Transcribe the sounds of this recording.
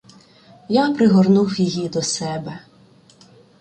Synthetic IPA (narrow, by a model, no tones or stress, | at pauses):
japɾɪɦɔrnuwjijid̪ɔsɛbɛ